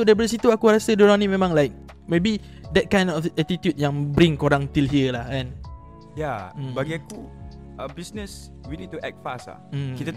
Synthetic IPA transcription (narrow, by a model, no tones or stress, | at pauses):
sodaɾip̬adəs̬it̪uakuɾasədoɾaŋnimẽmãŋlajk̚ | mebi | dɛt̚kãj̃ndɔfɛt̪it̪jut̚jãŋbɾĩŋkoɾãŋt̪ilɦiəlahɛ̃n | jabaɡiaku | əbisnəs | winid̚tuʔɛ̰k̚t̚fasa̰kit̪ə